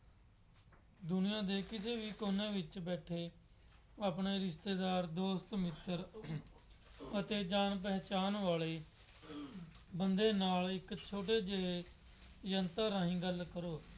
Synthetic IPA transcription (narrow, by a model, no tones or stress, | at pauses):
d̪ʊnɪjãːd̪eːkɪseːʋiːkoːnẽːʋɪt͡ʃbɛːʈʰeː | aːpɳeːɾɪst̪eːd̪aːɾd̪oːst̪mɪt̪ːəɾ | ət̪eːd͡ʒaːnp̬ɛːt͡ʃaːnʋaːɭeː | bənd̪eːnaːlɪkt͡ʃʰoːʈ̬eːd͡ʒee | jənt̪aːɾaːɦĩːɡəlkəɾoː